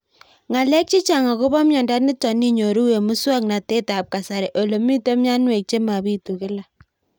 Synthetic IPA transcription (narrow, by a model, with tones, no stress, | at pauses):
ŋa˨lɛ˦k̚t͡ʃi˦t͡ʃa˨ŋa˨ko˦bɔ˦mjɔ˨nda˦t̚nɪ˦tɔ˨ni˦ɲo˨ɾu˦we˨mʊ˦swa˦k̚na˨te˦ta˨p̚ka˨sa˨ɾɛ˨ʔo˨lo˨mi˦to˦mja˦nwe˨k̚t͡ʃe˦ma˨bi˦tu˨kɪ˦la˨